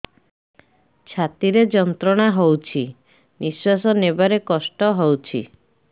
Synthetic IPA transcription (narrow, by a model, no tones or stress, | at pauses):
t͡ʃʰat̪iɾed͡ʒɔnt̪ɾɔɽ̃aɦowt͡ʃʰi | niswasɔnebaɾekɔsʈɔɦowt͡ʃʰḭ